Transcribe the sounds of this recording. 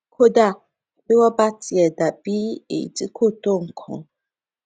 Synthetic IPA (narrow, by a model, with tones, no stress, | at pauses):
kʰo˦da˦˨ | be˦wɔ˦ba˦ti˨ɛ˨da˨bi˦ḛ˨di˦kʰo˦˨t̪o˦˨ŋ̩˨kʰɔ̰̃˨